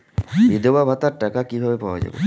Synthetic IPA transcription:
bid̪obabʱat̪aɾʈakakibʱabepawa̰d͡ʑa̰bo̰

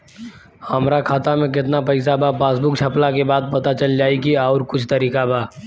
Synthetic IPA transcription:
hɐmɾakʰaːt̪amẽkɪt̪napɐɪs̬abʱapaːsbʊk̚t͡ʃʰɐplakebaːd̪̚pɐt̪at͡ʃəld͡ʒaːikiɔːɾkʊt͡ʃʰt̪ɐɾiːkabʱaː

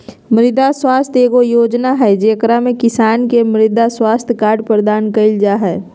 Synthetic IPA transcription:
mɾɪd̪ʱaswaːst̪ʰeːkojoːd͡ʒnaɦɛd͡ʒeːkɾamẽkɪsaːnkemɾɪd̪ʱaswaːst̪ʰjkaːɾɖpɾəd̪aːnkəɪld͡ʒaɦɛː

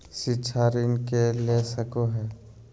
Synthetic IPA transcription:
ʃɪtːʃʰaɾinkelesəkoɦɛː

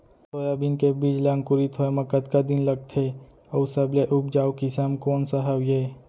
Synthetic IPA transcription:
soɾabinkebiːd͡ʒlaːŋkʊɾit̪ʰoeməkət̪kad̪ɪnləɡ̚t̪ʰe | əwsəbleʔʊp̚d͡ʒaːwkisamkoːnsaɦəwje

